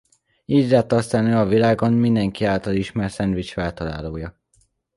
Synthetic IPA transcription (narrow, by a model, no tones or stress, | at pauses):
iːdlɛt̪ːɒst̪aːnøːɒvilaːɡo̞nmind̪ɛŋkiaːlt̪ɒliʃmɛrsɛnd̪ʋit͡ʃfɛlt̪ɒla̰ːloːjɒ